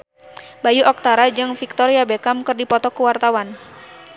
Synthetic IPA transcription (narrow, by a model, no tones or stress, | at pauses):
bajuʔɔk̚t̪aɾad͡ʒɨŋfik̚t̪ɔɾiabekamkɨrdipɔt̪ɔkuwart̪awan